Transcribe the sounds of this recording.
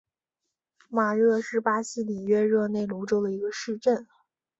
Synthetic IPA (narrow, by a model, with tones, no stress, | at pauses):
ma˨˩ɻɤ˥˧ʂɻ̩˥˩pa˥ɕi˥li˨˩ɥɛ˥ɻɤ˥˧ne˥˩ɪlu˧˥ʈ͡ʂo˥ʊd̪ə˩i˧˥ɡə˧ʂɻ̩˥˧ʈ͡ʂə˥˩n